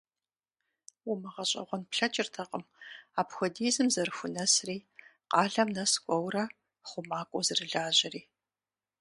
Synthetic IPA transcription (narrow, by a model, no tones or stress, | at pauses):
wʊmɨʁɐɕʼɐ̰ʁʷɔnpɬɐt͡ʃʼɪrtʰɐqʼəmaːpxʷɔdiːzɨmzɐrxʷʊnɐsriːqɑːɮɐmnɐskʷʼɔwrɐ | χʷʊmaːkʷʼʊzɨrɨɮaːʑɪriː